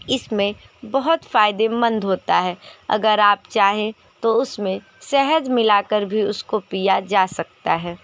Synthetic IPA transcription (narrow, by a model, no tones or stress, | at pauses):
ɪsmẽ | bɐɦʊt̪faːɪd̪emɐ̃nd̪ʱɦoːt̪aɦɛːɐ̰ɡəɾaːpt͡ʃaːɦẽ | t̪oʊsmẽ | sɛɦəd͡ʒ̪mɪlaːkəɾbʱiʊskopijad͡ʒaːsɐk̚t̪aɦɛː